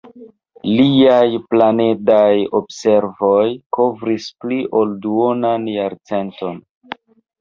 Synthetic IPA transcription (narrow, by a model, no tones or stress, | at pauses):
liajplane̞dajobse̞ɾvo̞jko̞vɾispliʔo̞lduonanjaɾt͡se̞nto̞n